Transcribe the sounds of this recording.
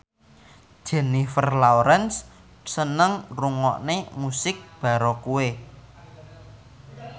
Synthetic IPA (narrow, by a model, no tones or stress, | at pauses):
d̥ʒ̥ɛ̤nifərlawɾɛns | sənəŋruŋɔ̰ʔnemusɪk̚b̥ä̤ɾokue